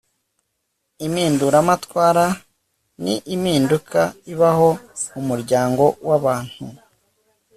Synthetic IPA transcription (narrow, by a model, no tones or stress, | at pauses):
imiːnduɾamatwaːɾa | nḭʔimiːndukʰaiβaɦo̞umuɾɟaːŋɡo̞waβaːn̥hu